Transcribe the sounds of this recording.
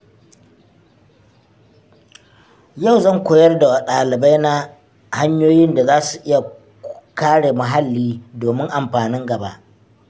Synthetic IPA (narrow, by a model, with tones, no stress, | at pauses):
ja˦˨wzɐ˦˨ŋkʷoː˨jɐ˦rda˨wa˨ɗaː˨lɪ˨ba˦jna˦ | ha˦ɲjoː˦jɪ˦nda˨zaː˦su˨ʔɪ˦ja˨ | kaː˦ɽe˨ma˨ɦa˦lːiː˦doː˨mɪ˦ŋʔa˨mɸaː˨nɪ˦ŋɡɐ˨ba̰˦ʔ